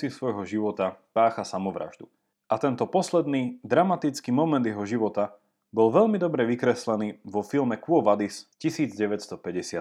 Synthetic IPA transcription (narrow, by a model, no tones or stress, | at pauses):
ɪsʋɔjɦɔʒiʋɔt̪apaːxasamɔʋɾa̰ʒd̪u | ʔat̪ɛnt̪ɔpɔslɛd̪niːd̪ɾamat̪it͡skiːmɔmɛnd̪jɛɦɔʒiʋɔt̪a | bɔlʋɛʎmid̪ɔbɾɛʋikɾɛslɛniːʋɔfilmɛkuɔʋad̪iscisiːd͡zɟɛʋɛtst̪ɔpɛɟɛsɪa